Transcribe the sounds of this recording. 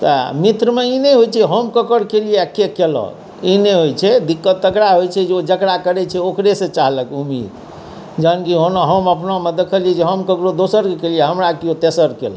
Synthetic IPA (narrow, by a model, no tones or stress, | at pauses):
t̪əmit̪ɾəmeineɦojt͡ʃʰɛɦəmkəkəɾkelijekːekelɔ̰ | ineɦojt͡ʃʰɛd̪ikːət̪ːəkɾaɦojt͡ʃʰɛd͡ʒeod͡ʒəkɽakəɾɛt͡ʃʰɛokɾesẽt͡ʃaɦləkumḭd̪ | d͡ʒankiɦonɦəməpnamed̪ekʰəlied͡ʒeɦəmkəkɾod̪osəɾkekelijeɦəmɾakiot̪esəɾkḛl̰